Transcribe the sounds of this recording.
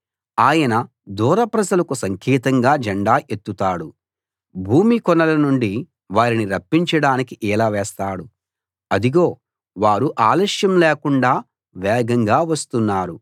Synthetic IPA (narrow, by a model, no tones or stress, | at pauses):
aːjɐnɐ | d̪uːɾɐpɾɐd͡ʒɐlɐkusɐŋkʰiːt̪ɐŋɡaːd͡ʒɐɳɖaːʔet̪ːut̪aːɽu | bʱuːmikɔnɐlɐnuɳɖi | ʋaːɾiniɾɐpːiɲt͡ʃɐɽaːnikiʔɛːlaːʋɛːst̪aːɽu | ɐd̪iɡo̞ː | ʋaːɾuʔaːlɐʂjɐmleːkuɳɖaː | ʋɛːɡɐŋɡaːʋɐst̪unːaːɾu